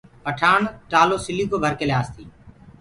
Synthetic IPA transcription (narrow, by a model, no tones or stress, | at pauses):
pəʈʰaːɳʈaːloːsɪliːkoːbʱəɾkeljaːst̪ʰiː